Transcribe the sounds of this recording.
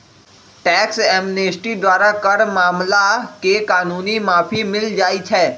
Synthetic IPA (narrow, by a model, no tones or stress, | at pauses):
ʈɛːksɛːmneːsʈid̪waːɾakɐɾmaːmlakekaːnuːnimaːpʰimɪld͡ʒaːit͡ʃʰɛː